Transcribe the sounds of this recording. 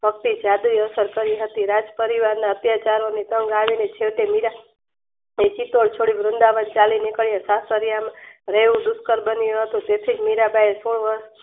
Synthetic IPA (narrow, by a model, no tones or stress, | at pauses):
bʱək̚t̪id͡ʒad̪uiəsəɾkəɾiɦət̪iɾad͡ʒpəɾiʋaɾnaət̪jat͡ʃaɾonit̪əŋɡaʋinet͡ʃʰeʋʈemiɾa | et͡ʃit̪oɭt͡ʃʰoɽibɾʊnd̪aʋənt͡ʃalinikəɭjãsasəɾjamaɾeʋũd̪ʊskəɾbənijũɦət̪ũt̪et̪ʰid͡ʒmiɾabʱaesuɳ̃uə